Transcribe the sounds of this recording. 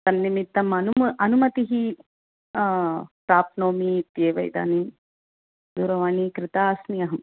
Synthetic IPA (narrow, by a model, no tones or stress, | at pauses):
t̪ɐnːimit̪ːɐmɐnumɐnumɐt̪iɦi | pɾaːpnoːmit̪jeːʋɐ̰jd̪a̰ːnim | d̪uːɾɐʋaːnikɾɪt̪aːsnijɐɦɐm